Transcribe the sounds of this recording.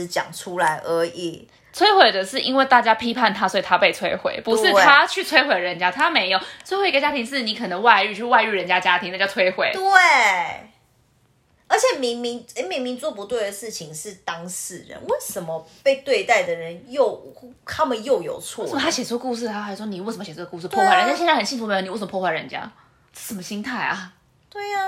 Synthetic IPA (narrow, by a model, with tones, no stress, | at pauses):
t͡ɕjɑ̰˨˩ŋʈ͡ʂʰu˥la˧˦ɪʔə˧˥ʔi˨˩ | t͡sʰwe˥ɪxwe˨˩ɪd̪ə˩ʂɻ̩˥˩ʔi˥nwe˥˧ɪt̪a˥˩t͡ɕja˥pʰi˥pʰa˥˩nt̪ʰa˥swɔ˧˥i˨˩t̪ʰa˦pe˥˩ɪt͡sʰwe˥ɪxwḛ˨˩ɪpu˨˧˥ʂɻ̩˥˨t̪ʰa˦t͡ɕʰy˥˨t͡sʰwe˥ɪxwe˨˩ɪɻə˧˦nt͡ɕja˥t̪ʰa˦me˧˥ɪjo˨˩ʊt͡sʰwe˥ɪwe˥˩kt͡ɕja˦˥t̪ʰi˧˥ŋʂ̬ɻ̩˥˩ni˨˥kʰɤ˨˩nə˧˦ŋwa˥˧ɪy˥˧t͡ɕʰy˥˧wa˥˧ɪy˥˩ɻə˧˦˥nt͡ɕja˥t͡ɕja˦˥t̪ʰi˨˩ŋna˥˩ɡə˩t͡sʰwe˥ɪxwe˨˦ɪt̪we˥˨ | ə˞˧˥t͡ɕʰjɛ˨˩mi˧˥ŋmi˧˥ŋe˧˥mi˧˥ŋmi˧˥ŋt͡swɔ˥pu˧˦t̪we˥˩ɪd̪ə˩ʂɻ̩˥˩t͡ɕʰi˨˦ŋʂɻ̩˥˩t̪ɑ˦ŋsɹ̩˥˩ɻə̰˦nwe˥˩ɪʂə˨˧˦nmə˦pe˥˧ɪt̪we˥˧ɪt̪a˥˩ɪd̪ə˩ɻə˨˦njo˥˧ʊt̪ʰa˥mə˨njo˥˩ʊjo˨˩ʊt͡sʰwɔ˥˩ə˨mə˧˩a˥ɕjɛ˨˩t͡swɔ˥˧ku˥˧ʂ̬ɻ̩ʰ˥˩a˥xʂwɔ˥ni˨˩wsə˨˩mə˧ɕjt͡swɔ˥əku˧ʂɻ̩˥˧pʰɔ˥˧wa˥˩ɻə˧˦˥ɕɛ˥˧n˥˩xnɕi˥˧˩fu˨˩e˧˥˨ni˨˧˥sə˧mə˧pʰɔ˥˧˥wa˥˩ɻə̰˧˦nt͡ɕja̰˦˥˩ | ʂə˨˩nmə˦ɕi˥ŋt̪ʰa˥˩ɪʔɐ̰˩ | t̪we˥˩ɪa˩